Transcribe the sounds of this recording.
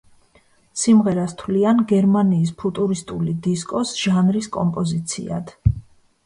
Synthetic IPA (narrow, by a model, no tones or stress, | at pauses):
simʁɛɾast̪ʰwlianɡɛɾmaniːs̬pʰut̪ʼuɾist̪ʼulid̪iskʼɔsʒ̥anɾiskʼɔmpʼɔzit̪sʰḭa̰d̪̥